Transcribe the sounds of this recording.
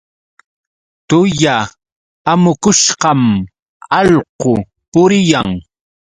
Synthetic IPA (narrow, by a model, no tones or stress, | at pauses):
t̪ʊjaː | mʊkʊʃɢɑm | ɑʎqo | pʊɾɪjaŋ